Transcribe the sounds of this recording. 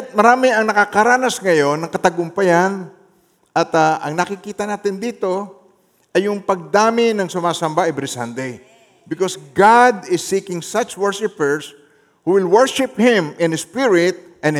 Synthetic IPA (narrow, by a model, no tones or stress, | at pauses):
t̪̚mɐɾaːmɪɐŋnɐkakɐɾaːnɐsŋɐjo̞nːɐŋkɐt̪ɐɡʊmpɐjan | ʔɐt̪aʔɐŋnɐkɪkiːt̪ɐnaːt̪ɪnd̪iːt̪o̞ | ʔɐjːʊŋpɐɡ̚d̪aːmɪnɐŋsʊmaːsɐmbaʔɛbɾɪsãnd̪ej | bɪkosɡad̪ɪsːiːkɪŋsat͡ʃwɛɹʃɪpɛɹs | huwɪlwɛɹʃɪphɪ̃mɪ̃nhɪspɪɹɪt̪̚ʔɛ̃n